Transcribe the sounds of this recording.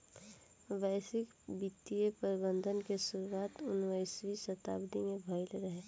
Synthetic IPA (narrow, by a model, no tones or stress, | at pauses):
ʋɛːsɪk | bit̪ːijepəɾɪbə̃nd̪ʱənkesʊɾuaːt̪ʊnʋaɪsʋisɐt̪a̰ːbd̪imebʱaɪlɾəɦeː